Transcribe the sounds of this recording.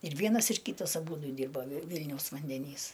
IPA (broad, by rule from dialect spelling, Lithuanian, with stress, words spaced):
ɪr ˈʋʲiɛnɐs ɪr ˈkʲiːtɐs ɐˈbuːdʊ ˈdʲiːrbɐ ʋʲɪ ˈʋʲɪlʲnʲɛʊs ʋɐnʲdʲɛˈnʲiːs